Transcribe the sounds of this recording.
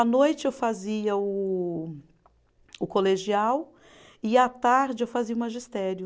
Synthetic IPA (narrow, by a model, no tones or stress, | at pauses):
ɐnojt͡ʃɪewfaziɐʊ | ʊkoleʒiaw | ɪat̪aɾd͡ʒɪewfaziɐʊmaʒist̪ɛɾjʊ